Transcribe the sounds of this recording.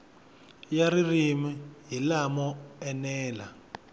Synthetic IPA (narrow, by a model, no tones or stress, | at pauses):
jaɾirimijilamɔɛnɛːla̰